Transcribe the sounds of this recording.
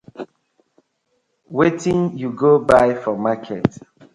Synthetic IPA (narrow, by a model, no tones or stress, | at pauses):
wetĩŋjuɡobaɪfɔmakʰɛt